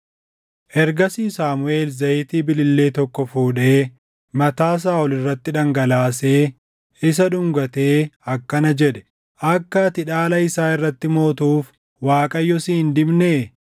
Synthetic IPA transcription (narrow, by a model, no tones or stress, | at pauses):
ʔɛɾɡɐsiːsaːmʊe̞ːlzɐjɪt̪iːbɪlɪlːe̞ːt̪ɔkːɔfuːᶑe̞ː | mɐt̪aːs̬aːɔlɪrːɐt̪ːɪᶑɐŋɡɐlaːs̬eː | ɪs̬ɐᶑʊŋɡɐt̪e̞ːɐkːɐnɐd͡ʒɛᶑɛ̥ | ʔɐkːɐt̪ɪᶑaːlɐɪsaːɪrːɐt̪ːɪmo̞ːt̪uːf | waːkʼɐjːɔsiːɪnd̪ɪbneː